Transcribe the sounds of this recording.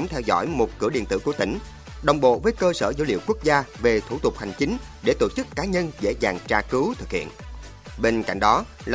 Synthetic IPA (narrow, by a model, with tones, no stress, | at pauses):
ŋ͡mt̪ʰɛ˧wzɔ̰˧˥jmo˨˩t̚kɨ̰˧˩əɗḭ˧˨ənt̪ɨ̰˧˨ku˧˩ət̪ï˧˩ŋ̟ | ɗə˨˩wŋ͡mɓo̰˧˨vəː˨˦jkəː˧səː˧˩zə˨˧˦wlḭ˧˨əwku˦˥ək̚zaː˧ve˨˩t̪ʰu˧˩t̪ʊ˨˩k͡p̚ha˨˩jŋ̟t͡ɕï˨˦ŋ̟ | ɗe˧˩t̪o˧˨t͡ɕɨ˦˥kːaː˨˦ɲə˧nzḛ˧˥zaː˨˩ŋt͡ɕaː˧kɨ˨˦wt̪ʰɨ˨˩k̚hḭ˧˨ən | ɓe˧nka̰˧˨jŋ̟ɗɔ˨˦ | lː